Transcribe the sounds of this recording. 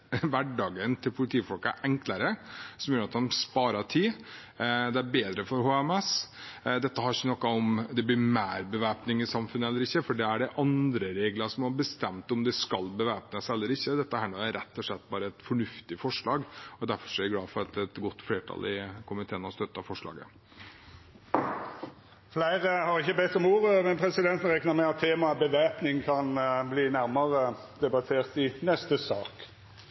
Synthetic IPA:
ʋæɖːɑːɡənt̪ʰɪlpʰʊlɪt̪ʰiːfɔlkæ̰ʔɛŋkləɾəsɔmjøːɾɑt̪hɑnspɑːɾɑʈʰiː | d̪ɛæɾbeːd̪ɾəfɔɾhoːɛmɛsd̪ɛt̪ːəhɑɾɪçːənɔkːɑɔmd̪ɛblɪmæːɾbəʋæːpnɪŋɪsɑmfʉnəɛlːəɾɪçːəfɔɖɛæɖɛʔɑnd̪ɾəɾeːɡləʂɔmhɑɾbəst̪ɛmt̪ɔmd̪ɛskɑlːbəʋæːpnəsɛlːəɾɪçːəd̪ɛt̪ːəhæːɳuːæɾɛt̪ːɔʂlɛt̪ːbɑːɾəɛt̪fɔɳʉft̪ɪfɔʂɭɑːɡɔd̪æɾfɔʂɛɪɡlɑːfɔɾɑt̪ɛt̪ɡɔt̪ːfleːʈʰɑ̰lʔɪkʰʊmɪt̪ʰeːnɑst̪œt̪ːɑfɔʂɭɑ̰ːɡə̰ | flæɪɾəhɑɾɪçːəbɛt̪ːɔmuːɾəmɛnpʰɾɛsɪd̪ɛnt̪n̩ɾɛknəɾmɛɪɑt̪ʰːeːmɑbəʋæːpnɪŋkʰɑnbliːnæɾməʁə | d̪ɛbɑt̪ʰeːɾt̪ɪnɛst̪əsɑːk

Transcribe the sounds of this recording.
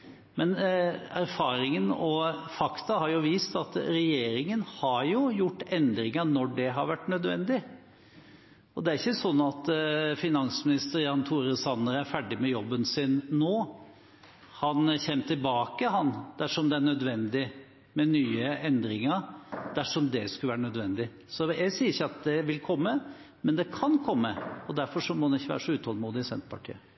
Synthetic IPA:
mɛnæɾfɑːɾɪŋənɔfɑkt̪ɑhɑɾjʊʋiːst̪ɑt̪ɾɛjeːɾɪŋənhɑɾjʊjʊʈːɛnd̪ɾɪŋənɔɖɛɦɑɾʋæʈːnœd̪ʋɛ̰nd̪ɪ | ɔd̪ɛæɾɪçːəsɔnːɑt̪fɪnɑnsmɪnɪst̪əɾjɑnt̪ʰuːɾəsɑnːəɾæɾfæɖɪmɛjɔbːənsɪnːoː | hɑnçɛmːt̪ʰɪlbɑːkəɦɑnd̪̥æʂɔmd̪ɛæɳœd̪ʋɛnd̪ɪ | mɛnyːəɛnd̪ɾɪŋəɾd̪æʂɔmd̪ɛskʉləʋæːɾəɳœd̪ʋɛnd̪ɪ | sɔjæɪsiːɾɪçːəɑt̪̚d̪ɛʋɪlkʰɔmːə | mɛnd̪ɛkʰɑnkʰɔmːəɔd̪æɾfɔʂɔmɔd̪ɛnɪçːəʋæ̰ːɾəʂɔʉːt̪hɔlmuːd̪ɪsɛ̰nt̪pʰɑʈʰḭːə

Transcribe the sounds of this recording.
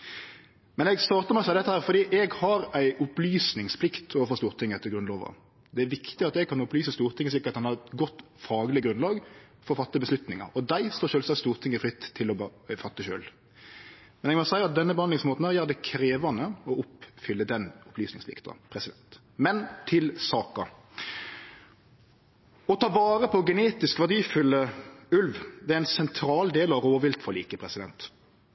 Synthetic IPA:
mɛnɛɡst̪ɑːɾt̪əmæsæɪd̪ɛt̪ːəhæːʁfɔɾd̪iːʔɛɡhɑɾæɪʔʊplyːsnɪŋspʰlɪkt̪ʰoːʋəfɔst̪uːɾt̪ʰɪŋːəɛt̪ːəɾɡʁʉnloːʋə̰ | d̪ɛæɾʋɪkt̪ɪɑt̪ɛɡ̚kʰɑnʊplyːsəst̪uːɾt̪ʰɪŋəslɪkːəɑt̪hɑnhɑɡɔt̪ːfɑːɡlɪɡɾʉnlɑːɡ | fɔɾɔfɑt̪ːəbəslʉt̪nɪŋə̰ɾɔd̪æɪst̪oːʃøːlsɑst̪uːʁt̪ʰɪŋːəfɾɪt̪ʰːɪlɔbfɑt̪ːəçø̰ːl | mɛnɛɡmɔsæɪɑt̪̚d̪ɛnːəbəhɑnlɪŋsmoːt̪n̩æːʁjæːʁd̪ɛkʰɾeːʋɑnəɔʊpfʏlːəd̪ɛnʊpʰlyːsnɪŋsʋɪ̰kt̪ɔ̰pʰɾɛsɪd̪ɛnt̪ | mɛnt̪ʰɪlsɑːkɑ | ɔt̪ʰɑːʋɑːɾəpʰɔɔɡɛneːt̪ɪskʋæʁd̪iːfʏlːəʉlʋd̪ɛæɪnsɛnt̪ʰɾɑːld̪eːlɑʋɾoːʋɪlt̪fɔliːkəpʰɾɛsɪd̪ɛnt̪

